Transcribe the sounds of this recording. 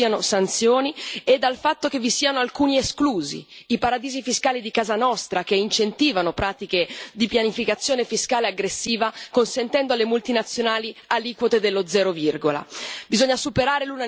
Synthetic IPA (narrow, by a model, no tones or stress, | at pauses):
ianosant̪sjoːnied̪ːalfat̪ːok̟evisiːanoalkuːnieskluːzḭipaɾad̪iːzifiskaːlid̪ikaːzanɔst̪ɾakeint͡ʃent̪iːvanopɾaːt̪iked̪ipjanifikat̪sːjoːnefiskaːleaɡɾesːiːvakonsent̪ɛnd̪oalːemult̪inat̪sːjonaːlialiːkwot̪ed̪elːod̪zɛːɾovirɡola̰bizoɲːasupeɾaːɾeluna